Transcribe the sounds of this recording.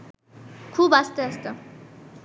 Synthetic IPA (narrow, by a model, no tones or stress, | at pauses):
kʰubast̪eʌst̪ʌ